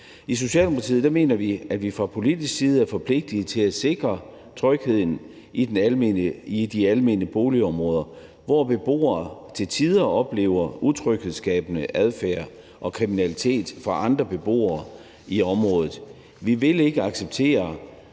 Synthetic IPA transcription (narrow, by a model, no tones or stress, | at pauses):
is̬o̝ɕɛ̰ːld̥emo̥pʰɑḭð̩ˠd̥æme̝̰ːnɐʋiæ̥ʋifʁɑ̈pʰo̝lid̥isɡ̥siːð̞̩ˠæɐfɒ̽pʰle̝ɡ̥̚d̥it͡sʰe̝læ̥se̝ɡ̥ʁɐ | t͡sʰʁœɡ̥he̝ð̞̰ˠn̩ | enid̥iælme̝̰nəb̥o̝ːliɒ̽mʁɔ̽ːð̞ˠɐ | ʋɒb̥e̝b̥o̝̰ːɐːt͡sʰe̝lt͡sʰiðˠɐɒ̽b̥le̝̰ːʊɐut͡sʰʁœɡ̥he̝ðˠsɡ̥ɛ̰ːb̥ənəʔæð̞ˠfæ̰ːɐ | ʔɒ̽kʰʁiminælit͡sʰe̝̰ːd̥fʁɑ̈ʔɑ̈nd̥ʁɐb̥e̝b̥o̝̰ːɐː | iɒ̽mʁɔ̽ːðˠð̩ˠ | ʋiʋe̝le̝ɡ̥əɑ̈ɡ̥seb̥̚t͡sʰe̝̰ːɐ